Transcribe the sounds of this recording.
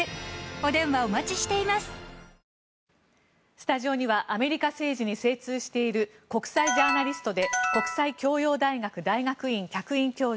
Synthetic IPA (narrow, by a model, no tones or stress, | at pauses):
od̪ẽ̞ɰ̃βaomat͡ɕiɕi̥t̪e̞imasɨ̥ | sɨ̥t̪aʑio̞ɲ̟iβaʔame̞ɾʲikase̞ːʑiɲ̟ise̞ːt͡sɨːɕi̥t̪e̞iɾɯ̟ko̞kɯ̥said͡ʑaːnaɾʲisɨ̥t̪o̞d̪e̞ko̞kɯ̥saikʲo̞ːjo̞ːd̪aiɡakɯ̟d̪aiɡakɯ̟ĩŋkʲakɯ̟ĩŋkʲo̞ː